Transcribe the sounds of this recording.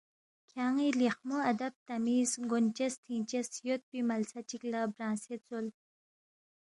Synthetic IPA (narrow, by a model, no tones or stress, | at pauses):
kʰaŋiliχmoad̪ab̚t̪amizɡont͡ʃɐst̪ʰĩnt͡ʃesjot̪̚pimalsat͡ʃiklabɾãːset͡sol